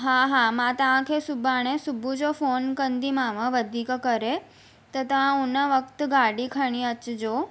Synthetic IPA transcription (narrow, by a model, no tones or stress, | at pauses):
ɦaɦamãt̪əʋãkʰesʊbʱaɽ̃esʊbʱud͡ʑofonkənd̪ʱimãʋə̃ʋəd̪ʱikkəɾe | t̪ɔt̪əʋãʊnəʋəkt̪ɡaɽikʰəɽ̃iət͡ʃd͡ʒoː